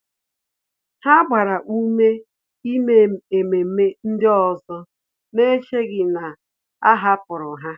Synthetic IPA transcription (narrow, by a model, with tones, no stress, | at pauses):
ha˦ɡ͡bʷa˨ɾa˨ʔu˦me˦ | i˦me˦e˨me˨˦me˦n̩˦dɪ˦ɔ˨zɔ˦ | me˦t͡ʃe˦ɡɪ˨na˨ | a˦ɦa˦pʊ˨ɾʊ˨ɦa˦